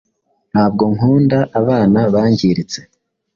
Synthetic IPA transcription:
n̥haːb̚ɡo̞ŋuːndaʔaβaːnaβaːɲɟiɾit͡se̞̥

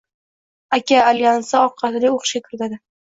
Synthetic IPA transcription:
akʲaːljansaɒqʰːɑt̪lɪoχɨʃʲakʰʲʊɾɪt̪ʰad̪ɪ

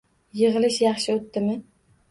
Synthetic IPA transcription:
jɨʁɨlˠɪʃjɑχʃɪot̪ːɪmɪ

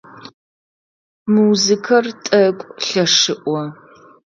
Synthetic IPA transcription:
muzɨkʰɐrtʼɐkʷʼɬɐʂɨʔʷɔ

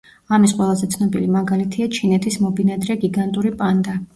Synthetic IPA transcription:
amis̬qʼwɛlˠazɛt̪sʰnɔbilimaɡalit̪ʰiat͡ʃʰinɛt̪ʰismɔbinad̪ɾɛɡiɡant̪ʼuɾipʼand̪a

